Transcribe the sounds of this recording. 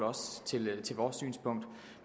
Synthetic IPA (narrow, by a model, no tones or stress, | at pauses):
ɒ̽st͡sʰe̝lt͡sʰe̝lʋɒːsy̰ːnspʰɔ̽ŋ̰d̥